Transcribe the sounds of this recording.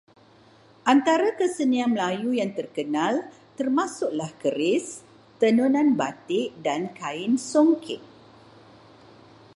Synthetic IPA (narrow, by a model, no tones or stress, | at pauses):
ʔant̪aɾakəsənianməlajujaŋt̪ərkənãl | t̪ərmãsʊʔ̚lahkəɾɪs | t̪ənunãnbat̪ɪʔdankaɪnsoŋkʰɪt̪̚